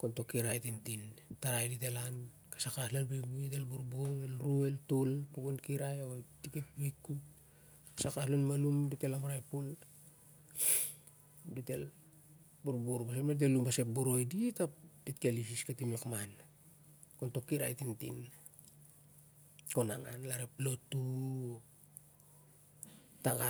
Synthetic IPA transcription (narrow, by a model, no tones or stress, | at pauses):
konto̞kːiɾajtintintaɾajdite̞lan | kḁsakaslalbiuitelbuɾboɾelɾue̞ltulpuɡunkiɾajaotiket̚bikːut | kasakaslonmalumdite̞lamaɾajpul | dite̞l | buɾboɾbas̬epat̬elumbase̞p̚boɾo̞jditad̥itkielisiskatimekman | konto̞kːiɾa̰jtintḭn | konaŋa̰nlaɾeplo̞tuo | taɡa